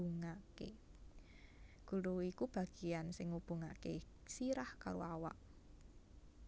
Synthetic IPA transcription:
uŋakḛ | ɡ̥ṳɾuikub̥a̤ɡ̥ijansɪŋːub̥ṳŋa̰ke | siɾahka̰ɾoawa̰ʔ

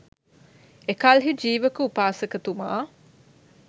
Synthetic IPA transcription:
ekalɦid͡ʒiːʋəkəupaːsəkət̪uma̰ː

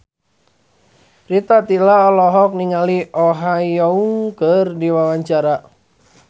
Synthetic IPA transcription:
rit̪at̪ilaɔlɔɦɔk̚niŋaliʔɔɦajɔuŋkərdiwawaɲt͡ʃaɾa

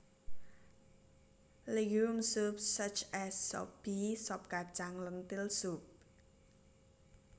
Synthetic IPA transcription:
leɡumsup̚sət͡ʃɛsːɔ̰pb̥isɔp̚kat͡ʃaŋlənt̪ɪlsup̚

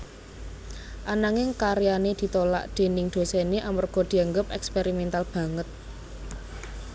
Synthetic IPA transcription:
ʔanaŋɪŋkaɾjaned̪̥i̤t̪ola̰ʔd̪̥e̤nɪŋd̪̥o̤seneʔamərɡ̥ɔ̤d̪̥i̤aŋɡəp̚ɛkspeɾimɛnt̪alb̥ä̤ŋət̪̚

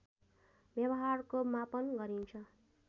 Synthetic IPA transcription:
bjʌbʌɦarkomapʌnɡʌɾint͡sʰʌ

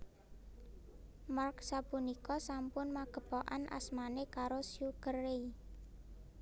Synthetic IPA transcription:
marksapunikɔsampʊnmaɡ̥ə̤pɔʔa̰nʔa̰smanekaɾosjukəre

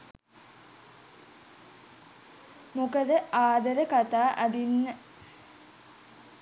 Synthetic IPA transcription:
mukəd̪əʔaːd̪ɐɾəkat̪aːʔæd̪inːə

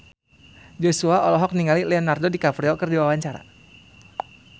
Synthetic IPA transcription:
d͡ʒosuaʔɔlɔɦɔk̚niŋalilɛɔnardodikapɾiɔkɨrdiwawaɲt͡ʃaɾa̰

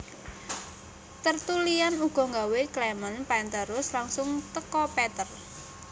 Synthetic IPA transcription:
t̪ərt̪ulianuɡ̥ɔ̤ŋɡaweklɛmənpaɛnt̪əɾʊslaŋsʊŋt̪əkɔpɛt̪ər

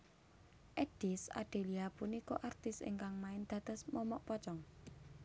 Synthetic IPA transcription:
ʔɛɖ̥isa̰ɖ̥e̤liapunikoʔart̪ɪsɪ̰ŋkaŋmaɪnd̪̥a̤d̪̥ə̤smɔmɔʔpɔt͡ʃɔŋ

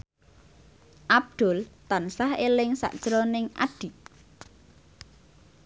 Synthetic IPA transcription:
ʔab̚d̪̥ʊ̤lt̪ansahelɪŋsa̰ʔd̥ʒ̥ɾonɪŋʔa̰ɖ̪̥i̤ʔ

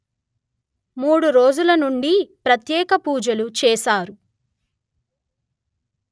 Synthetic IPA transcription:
muːɽuɾoːd͡ʒulɐnuɳɖipɾɐt̪jɛːkɐpuːd͡ʒɐlut͡ʃɛːsaːɾu

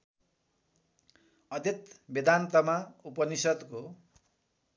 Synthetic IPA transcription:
ʌd̪ʱjʌt̪bed̪ʱant̪ʌmaupʌnisʌd̪ko

